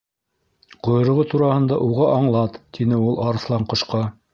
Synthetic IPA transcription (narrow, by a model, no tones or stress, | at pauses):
qŏj̆ɾɤ̆ʁot̪uɾɑhɤ̆nd̪ɑʔuʁɑʔɑɴlˠɑt̪t̪inɘulˠʔɑɾɤ̆slˠɑɴqŏʃqɑ